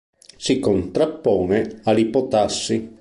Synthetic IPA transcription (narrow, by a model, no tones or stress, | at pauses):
sikont̪ɾapːɔːnealipɔt̪asːi